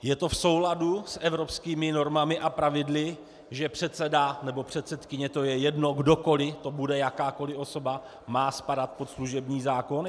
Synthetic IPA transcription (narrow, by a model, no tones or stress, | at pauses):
jɛt̪o̞fsowladusʔɛvɾo̞pskiːmɪno̞ɾmamɪʔapɾavɪdlɪ | ʒɛpr̝̥ɛt̪sɛdanɛbopr̝̥ɛt̪sɛt̪kɪɲɛt̪o̞jɛjɛdno̞ɡdo̞ko̞lɪt̪o̞budɛjakaːko̞lɪʔo̞so̞ba | maːspadat̪̚pot̪sluʒɛbɲiːzaːko̞n